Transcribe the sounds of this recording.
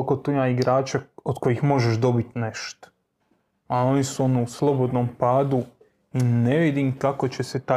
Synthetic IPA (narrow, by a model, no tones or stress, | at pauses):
kot̪ujmaiɡɾaːt͡ʃaod̪ko̞jixmo̞ʒeʃd̪o̞bit̪ne̞ʃt̪o̥ | ao̞nisuo̞niuslˠo̞bo̞d̪nompaːd̪u | ine̞ʋid̪imkako̞t͡ɕe̞se̞t̪a